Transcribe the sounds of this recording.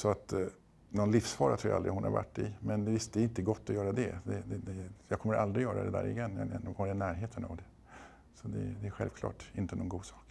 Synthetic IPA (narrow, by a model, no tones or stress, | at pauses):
sɔat̪ | nɔnlɪfsfɑːɾat̪ʰɾuːjaa̰ld̪ɾɪ̰hʊnha̰ɾva̰ʈːɪmɛnd̪ɛvɪst̪̚d̪ɛɾɪnt̪əɡɔt̪ːɔjœːɾad̪ɛ̰d̪ɛd̪ɛd̪ɛjɑːkʰɔmːəɾald̪ɾɪjœːɾa̰d̪ɛd̪æ̰ːɾɪ̰jɛnːja̰ɛnːɡhaɾɛnæːɾɦeːt̪ʰəna̰vd̪ɛ | sɔd̪ɛ̰d̪ɛæɾɧɛ̰lvkʰlɑ̰ːʈɪnt̪ənɔnɡuːd̪sɑːk